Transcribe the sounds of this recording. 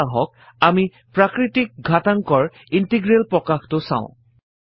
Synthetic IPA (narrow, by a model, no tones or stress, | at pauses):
ɦɔk̚ | ami | pɹakɹitik̚ɡʱataŋkɔɹ | intiɡɹelpɹɔkaxtʊsã̰ʊ̃